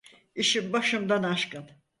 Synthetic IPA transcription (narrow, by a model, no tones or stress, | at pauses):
iʃimbaʃɯmd̪anaʃkɯn